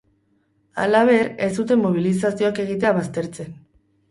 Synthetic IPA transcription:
a̰laβ̞e̞ɾe̞sd̪ut̪e̞mːo̞β̞ilisasio̞ake̞ɣ̞it̪e̞aβast̪e̞ɾt͡se̞n

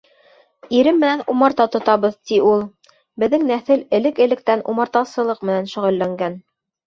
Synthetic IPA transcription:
iɾɘmːɘ̆nænumɑɾt̪ɑt̪ŏt̪ɑβɤðt̪iulˠ | bɘ̆ðːɘŋnæθɘlɘ̆lɘkɘ̆lɘ̆k̚t̪ænumɑɾt̪ɑsɤ̆lˠɤqmɘ̆nænʃɵ̆ʁɵ̆lːæŋɡæn

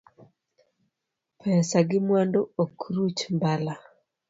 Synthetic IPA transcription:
pʰɛsaɡɪmwandookɾut͡ʃmbala

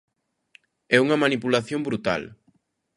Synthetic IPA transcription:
ɛuŋɐmanipulaθjoŋbɾut̪a̰l

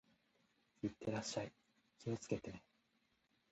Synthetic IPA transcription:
it̪ːe̞ɾaɕːai | kʲio̞t͡sɨ̥ke̞t̪e̞ne

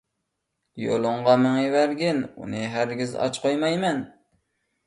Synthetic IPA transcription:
jo̰lˠʊɴʁɑmɪŋjiwæɾɡʲɪnṵnɨɦæɾɡʲɪzɑ̰t͡ʃqʰojmɑjmɛn

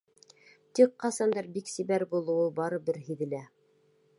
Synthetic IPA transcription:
t̪iqqɑsɑnd̪ɑɾbiksiβæɾbulˠɤulˠbɑɾɤbɘɾɦiðɘ̆læ

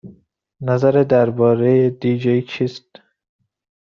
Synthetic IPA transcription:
næzæɾed̪æɾbɒːɾejed̪iːd͡ʒejt͡ʃʰiːst̪

